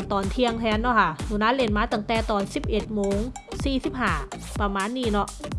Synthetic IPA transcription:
nt̪ɔː˨˩nt̪ʰi˧əŋt̪ʰɛː˧nːɔ˧˥˩kʰa˥˩nuː˨˧˩naː˧˥le˧˩nmaː˧t̪aː˨˧˩ŋt̪ɛː˨˩t̪ɔː˨˩nsi˨˩p̚ʔe˨˩t̪̚moː˧˦ŋ | siː˨˩si˨˩p̚haː˨˧˩ | pa˧maː˧˥˨nːiː˧˩nɔ˦˧˥ʔ

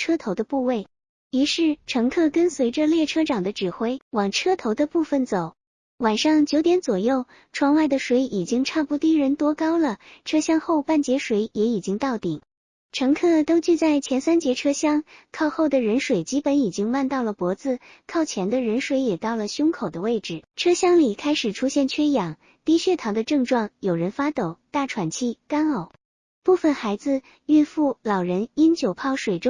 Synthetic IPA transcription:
ʈ͡ʂʰɤ˥t̪ʰo˧˥ʊd̪ə˧pu˥˧we˥˩ɪ | i˧˥ʂɻ̩˥˩ʈ͡ʂʰɤ˧˥ŋkʰɤ˥˩kə˥nswe˧˥ɪʈ͡ʂə˧ljɛ˥˩ʈ͡ʂʰɤ˥ʈ͡ʂɑ˨˩ŋd̪ə˦ʈ͡ʂɻ̩˨˩xwe˥ɪwɑ˨˩ŋʈ͡ʂʰɤ˥t̪ʰo˧˥ʊd̪ə˧pu˥˩fə˥˩nt͡so˨˩˦ʊ | wa˨˩nʂɑ˥˩ŋt͡ɕjo˧˥ʊt̪jɛ˧˥nt͡swɔ˨˩jo˥˩ʊ | ʈ͡ʂʰwɑ˧˥ŋwa˥˩ɪd̪ə˩ʂwe˧˥ɪʔi˨˩t͡ɕi˥ŋʈ͡ʂʰa˥˧pu˥˩t̪i˥˩ɻə˧˥nt̪wɔ˥kɑ˥ʊlə˨ʈ͡ʂʰɤ˥ɕjɑ˥ŋxo˥˧ʊpa˥˩nt͡ɕjɛ˧˥ʂwe˧˥ɪjɛ˧˥i˨˩t͡ɕi˥ŋt̪ɑ˥˩ʊt̪i˨˩ŋ | ʈ͡ʂʰɤ˧˥ŋkʰɤ˥˩t̪o˥ʊt͡ɕy˥˧t͡sa˥˩ɪt͡ɕʰjɛ˧˥nsa˥nt͡ɕjɛ˧˥ʈ͡ʂʰɤ˥ɕjɑ˥˩ŋkʰɑ˥˧ʊxo˥˩ʊd̪ə˩ɻə˧˥nʂwe˨˩ɪt͡ɕi˥pə˧˥ni˨˩t͡ɕi˥ŋwa˥˧nt̪ɑ˥˩ʊlə˩pwɔ˧˥t͡sɹ̩˧ | kʰɑ˥˩ʊt͡ɕʰjɛ˧˥nd̪ə˧ɻə˧˥nʂwe˧˥ɪjɛ˨˩t̪ɑ˥˩ʊlə˩ɕjʊ˥ŋkʰo˨˩ʊd̪ə˦we˥˩ɪʈ͡ʂɻ̩˨˩ʈ͡ʂʰɤ˥ɕjɑ˥ŋli˨˩kʰa˥ɪʂɻ̩˨˩ʈ͡ʂʰu˥ɕjɛ˥˩nt͡ɕʰɥɛ˥jɑ˨˩˦ŋ | t̪i˥˧ɕɥɛ˥˩t̪ʰɑ˧˥ʊd̪ə˧ʈ͡ʂɤ˥˧ŋʈ͡ʂwɑ˥˩ŋjo˨˩ʊɻə˧˥nfa˥t̪o˨˩ʊt̪a˥˩ʈ͡ʂʰwa˨˩nt͡ɕʰi˥˩ka˥no˨˩˦ʊ | pu˥˩fə˩nxa˧˥ɪd͡zɹ̩˧ | y˥˧nfu˥˩lɑ˨˩ʊɻə˧˥ni˥nt͡ɕjo˨˩ʊpʰɑ˥˩ʊʂwe˨˩ɪʈ͡ʂʊ˥ŋ

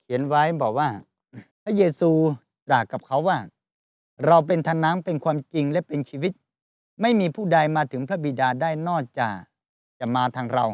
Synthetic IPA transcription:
kʰi˩˦ənwa˦˥jbɔː˨˩k̚waː˥˩ | pʰɾa˦˥jeː˧suː˧ | t͡ɕaː˨˩kːa˨˩p̚kʰa˦˥wːaː˥˩ | ɾa˧wp̬e˧nt̪ʰaː˧nːaː˦˥ŋpe˧nkʰwaː˧mt͡ɕi˧ŋlɛ˦˥pe˧nt͡ɕʰiː˧wi˦˥t̪̚ | ma˥˩jmiː˧pʰuː˥˩da˧jmaː˧t̪ʰɯ˩˦ŋpʰɾa˦˥bi˨˩daː˧daː˥˩jnɔː˥˩t͡ɕa̰ː˨˩ | t͡ɕa˨˩maː˧t̪ʰaː˧ŋɾa˧w

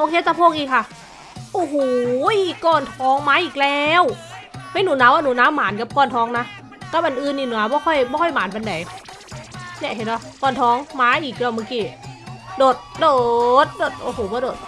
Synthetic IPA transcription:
ʔo˧kʰe˧˦t͡ɕaː˧pʰoː˧˩˨ŋ̚ʔiː˧˩kʰa˧˩ | ʔoː˧ɦoː˨˩jkɔː˧˩nt̪ʰɔː˧˥ŋmaː˨˧˥ʔiː˨˩k̚lɛː˦˧˨wmʰa˧˩˨nuː˨˩˦naː˧˩wʔa˧˩nuː˨˦naː˧˥˨wmaː˨˦nka˧˦p̚kɔː˧˩˨nt̪ʰɔː˧˦ŋna˧˥ | ka˧˩pʔa˨nʔɯː˧nːiː˧˩nu˨˦ɐ˦˧bɔː˧˦kʰɔ˧˩˨jbɔː˧˦kʰɔ˧˩˨jmaː˨˦npa˨˧˦nda˨˦j | nɛ˧˩˨ɦe˨˧˩nɔ˧˩kɔː˧˩nt̪ʰɔː˧˥ŋmaː˨˧˥ʔiː˨˩k̚lɛː˧˩mɯː˧˨kiː˧˩doː˨˩t̪̚doː˧˨t̪̚doː˨˩t̪̚ʔo˧˩hoː˨˩˦bɔː˧˦doː˨˩t̪̚

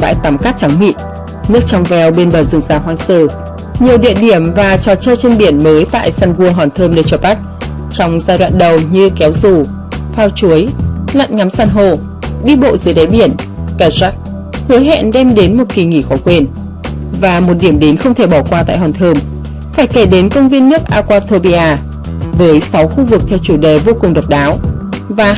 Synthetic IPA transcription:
ɓa̰ː˧˥jt̪a˨˦mkaː˦˥t̚t͡ɕa˨˦ŋmḭ˧˨n | nɨ˦˥ək̚t͡ɕɔ˧wŋ͡mvɛ˧wɓe˧nɓəː˨˩zɨ˨˧˩ŋzaː˨˩wɦwaː˧jsəː˧˩ | ɲi˨˩əwɗḭ˧˨əɗi˧˩əmvaː˨˩t͡ɕɔ˨˩t͡ɕəː˧jt͡ɕe˧nɓi˧˩ənməː˨˦jt̪a̰ː˧˨jsaː˧nɣu˧əɦɔ˨˩nt̪ʰəː˧mɗe˧˩t͡ɕɔ˨˧˩ɓa˦˥t̚ | t͡ɕɔ˧wŋ͡mzaː˧jɗwa̰ː˧˨nɗə˨˩wɲɨ˧kɛ˨˦wzu˨˩ | faː˧wt͡ɕu˨˦əjla̰˧˨nŋa˨˦msaː˧nɦo˧˩ | ɗi˧ɓo̰˧˨zɨ˨˦jɗe˨˦ɓi˧˩ənkaː˧za˦˥k̚ | hɨ˨˦jɦɛ̰˧˨nɗɛ˧mɗe˨˦nmo˨˩t̚ki˨˩ŋḭ˧˩xɔ˨˦kwe˧n | vaː˨˩mo˨˩t̚ɗi˧˩əmɗe˨˦nxə˧wŋ͡mt̪ʰe˧˩ɓɔ˧˩kwaː˧t̪a̰ː˧˨jɦwaː˨˩nt̪ʰəː˧m | faː˧˩jke˧˩ɗe˨˦nkə˧wŋ͡mvi˧ənːɨ˦˥ək̚ʔaː˧kwaː˧t̪ʰo˧ɓi˧aː˧ | vəː˨˦jsa˨˦wxu˧vɨ˨˩k̚t̪ʰɛ˧wt͡ɕu˧˩ɗe˨˩vo˧kʊ˨˩ŋ͡mɗə˨˩wk͡p̚ɗaː˨˦w | vaː˨˩

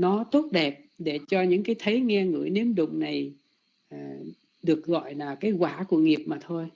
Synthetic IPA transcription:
nɔ˨˦t̪o˦˥t̚ɗɛ˨˩p̚ɗe˧˩t͡ɕɔ˧ɲɨ̰˧˥ŋkaː˨˦jt̪ʰə˨˦jŋɛ˧ŋɨ̰˧˩əjne˨˦əmɗʊ̰˧˨ŋ͡mna˨˩j | ɗɨ˨˩ək̚ɣɔ̰˧˨jlaː˨˩kaː˨˦jkwaː˧˩ku˧˩əŋi˨˩əp̚maː˨˩t̪ʰo˧j

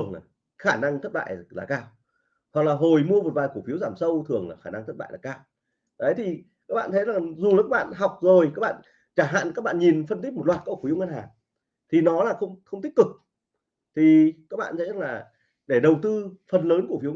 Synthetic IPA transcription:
əŋa˨˩ | xaː˧˩na˧ŋt̪ʰə˦˥t̚ɓa̰ː˧˨jlaː˨˩kaː˧w | hwa˨˩k̚laː˨˩ɦo˨˩jmu˧əvəː˨˩vaː˨˩jku˧˩əfi˨˦əwzaː˧˩msə˧wt̪ʰɨ˨˩əŋlaː˨˩xaː˧˩na˧ŋt̪ʰt̚ɓ̰ːlaː˨˩kaː˧w | ʔə˨˦jt̪ʰi˨˩ | kaː˦˥k̚ɓa̰ː˧˨nt̪ʰjzaː˨˩ŋzu˨˩la˨˩kaː˦˥ɓa̰ː˧˨nɦa˨˩wk͡p̚zo˨˩jkaː˦˥k̚ɓ̰ːn | t͡ɕaː˧˩ɦa̰ː˧˨nkaː˦˥k̚ɓa̰ː˧˨nɲi˨˩nfə˧nt̪i˦˥k̚mo˨˩t̚laː˨˩t̚kːfi˨˦wŋə˧nhaː˨˩ | t̪ʰi˨˩nɔ˨˦laː˨˩xə˧wŋ͡mxə˧wŋ͡mt̪i˦˥k̚kɨ˨˩k̚ | t̪ʰi˨˩kaː˦˥k̚ɓa̰ː˧˨nt̪ʰjza˨˩˧laː˨˩ | ɗe˧˩ɗə˨˩wt̪ɨ˧fə˨˩nləː˨˦nku˧˩əfi˨˦w

